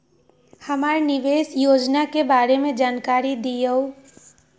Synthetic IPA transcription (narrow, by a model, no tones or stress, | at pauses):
hɐmaːɾnɪʋeːsjoːd͡ʒnakebaːɾemẽd͡ʒaːnkaːɾid̪ijəo